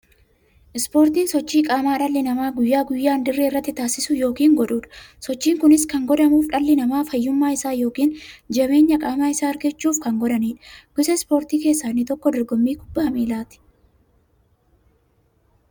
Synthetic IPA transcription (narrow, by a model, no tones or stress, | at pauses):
ʔɪspo̞ːɾt̪iːnsɔt͡ʃːiːkʼaːmaːᶑɐlːɪnɐmaːɡʊjːaːɡʊjːaːnd̪ɪrːeːɪrːɐt̪ːɪt̪aːsɪsʊjo̞ːkiːŋɡɔᶑuːᶑɐ̥sɔt͡ʃːiːŋkʊnɪskɐŋɡɔd̪ɐmuːfᶑɐlːɪnɐmaːfɐjːʊmːaːɪsaːjo̞ːkiːnd͡ʒɛβe̞ːɲːɐkʼaːmaːɪsaːɐɾɡɛt͡ʃːuːfkɐŋɡɔd̪ɐniːᶑɡ̥ʊsɛspo̞ːɾt̪iːke̞ːsːaːnːɪt̪ɔkːɔd̪ɔɾɡɔmːiːɡʊbːaːmiːlaːt̪ɪ̥